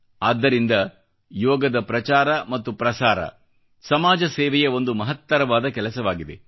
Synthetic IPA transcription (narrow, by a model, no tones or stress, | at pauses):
aːd̪ːɐɾind̪ɐ | jɔːɡɐd̪ɐpɾɐt͡ʃaːɾɐmɐt̪ːupɾɐsaːɾɐ̰ | sɐmaːd͡ʒɐseɛːʋɛjɐo̞nd̪umɐɦɐt̪ːɐɾɐʋaːd̪ɐkɛlɐsɐʋaːɡid̪e